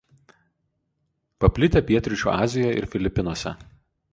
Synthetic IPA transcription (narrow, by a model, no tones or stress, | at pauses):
pɐpʲlʲɪt̪ʲepʲiɛt̪ʲɾʲɪt͡ʃʲṵːɑːzʲɪjɔjɪ̰ɾfʲɪlʲɪpʲɪnuɔsʲɛ̰